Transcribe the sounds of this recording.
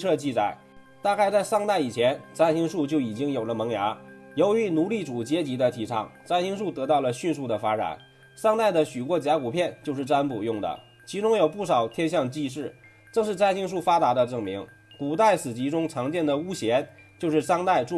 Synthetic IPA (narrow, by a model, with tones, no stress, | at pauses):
ɤ˥˧t͡ɕi˥˧t͡sa̰˨˩˦ɪ | t̪a˥˧ka˥˧ɪt͡sa˥˧ɪʂɑ˥˧ŋt̪a˥˩ɪi˨˩t͡ɕʰjɛ˧˥nt͡sa˥ɪɕi˥ŋʂu˥˩t͡ɕjo˥˩ʊi˨˩t͡ɕi˥ŋjo˨˩ʊlə˦mɤ˧˥ŋja˧˥ | jo˧˥ʊy˧˥nu˧˥li˥˩ʈ͡ʂu˨˩t͡ɕjɛ˥t͡ɕi˧˥d̪ə˧t̪ʰi˧˥ʈ͡ʂʰɑ̰˥˩ŋt͡sa˥ɪɕi˥ŋʂu˥˩t̪ɤ˧˥t̪ɑ˥˩ʊlə˩ɕy˥˧nʂu˥˩d̪ə˩fa˥ʈ͡ʂa̰˨˩˦n | ʂɑ˥˧ŋt̪a˥˩ɪd̪ə˩ɕy˨˩kwɔ˥˩t͡ɕja˧˥ku˨˩pʰjɛ˥˧nt͡ɕjo˥˧ʊʂɻ̩˥˩ʈ͡ʂa˥npṵ˨˩jʊ˥˩ŋd̪ə̰˩ | t͡ɕʰi˧˥ʈ͡ʂʊ˥ŋjo˨˩ʊpu˥˩ʂɑ˨˩ʊt̪ʰjɛ˥nɕ̬jɑ˥˧ŋt͡ɕi˥˧ʂ̬ɻ̩˥˩ | ʈ͡ʂɤ˥˧ʂɻ̩˥˩t͡sa˥ɪɕi˥ŋʂ̬u˥˩fa˥t̪a˧˥d̪ə˧ʈ͡ʂɤ˥˩ŋmi˧˥ŋ | ku˨˩t̪a˥˩ɪsɹ̩˨˩t͡ɕi˧˥ʈ͡ʂʊ˥ŋʈ͡ʂʰɑ˧˥ŋt͡ɕjɛ˥˩nd̪ə˩u˥ɕjɛ˧˥n | t͡ɕjo˥˧ʊʂɻ̩˥˩ʂɑ˥ŋt̪a˥˧ɪʈ͡ʂu˥˧